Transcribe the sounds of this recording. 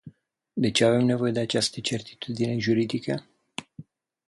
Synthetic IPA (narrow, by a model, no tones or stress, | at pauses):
d̪e̞t͡ʃe̞ave̞mne̞vo̞je̞d̪e̞at͡ʃast̪ət͡ʃe̞rt̪i̥t̪ud̪ine̞ʒuɾid̪ikə